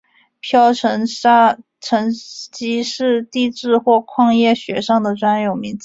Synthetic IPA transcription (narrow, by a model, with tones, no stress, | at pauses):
pʰjɑ˥ʊʈ͡ʂʰə˧˥ŋʂa˥ | ʈ͡ʂʰɤ˧˥ŋt͡ɕi˥ʂɻ̩˥˧t̪i˥˧ʈ͡ʂɻ̩˥˧xwɔ˥˧kʰwɑ˥˧ŋjɛ˥˩ɕɥɛ˧˥ʂɑ˥˩ŋd̪ə˩ʈ͡ʂwa˥njo˨˩ʊmi˧˥ŋt͡s